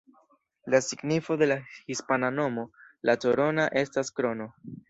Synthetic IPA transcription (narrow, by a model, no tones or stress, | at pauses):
lasiɡnifo̞de̞lahispanano̞mo̞lʔatoɾo̞naʔe̞staskɾo̞no̞